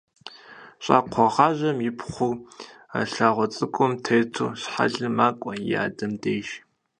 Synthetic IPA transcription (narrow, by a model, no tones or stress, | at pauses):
ɕʼa̰ːqʷʰɔʁɑːʒʑɐmjɪpʰχʷʊr | a̰ɬaːʁʷɔt͡sʼɨkʷʼʊmtʰejtʰṵːɕħa̰ɮɨmaːkʷʼɔja̰ːdɐmdeːjʒ